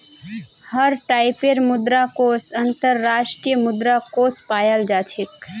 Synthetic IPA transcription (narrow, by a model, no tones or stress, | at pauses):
həɾʈaɪpeɾmʊd̪ɾakosənt̪əɾːaːʃʈɾijəmʊd̪ɾakospaːjəld͡ʒaːt͡ʃʰik